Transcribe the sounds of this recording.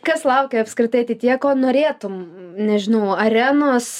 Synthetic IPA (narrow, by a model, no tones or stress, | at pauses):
kɐslˠɐʊkʲɛɐpskɾʲɪt̪ɐɪɐt̪ʲit̪ʲiɛkoːnoːɾʲeːt̪ʊmnʲɛʒʲɪnɐʊɐɾʲænoːs